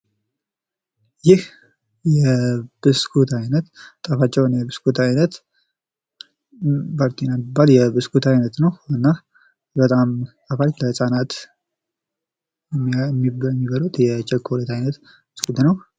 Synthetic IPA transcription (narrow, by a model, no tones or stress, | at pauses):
jɪh | jɛb̥ɨskʰut̪ajnət̪t̪ʼəfat͡ʃːɛwnjɛbɨskʰut̪ʰajnət̪ | baɾt̪ʰinamibːaljɛbɨskʰut̪ʰajnət̪nəwɨnːa | bət̪ʼamt̪ʼəfatləsʼanat̪ | mːimːibəlut̪jɛt͡ʃɛkʰːolət̪ajnət̪ | b̥ɨskut̪nəw